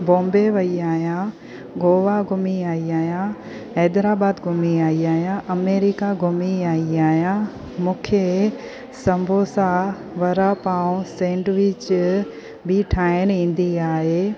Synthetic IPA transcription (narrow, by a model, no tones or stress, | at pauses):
bõːmbeʋɐiaːɦijã | ɡoːʋaɡʱʊmiaːiaːɦjã | ɛːd̪ɾaːbaːd̪ɡʱʊmiaːiaːɦjãʔɐmeːɾɪkaɡʱʊmiaːiaːɦijã | mũːkʰe | sɐ̃mbʱoːsa | ʋɐɾapaːũsẽːɳɖʋɪt͡ɕ | bɪʈʰaːɪñĩːn̆d̪iaːɦeː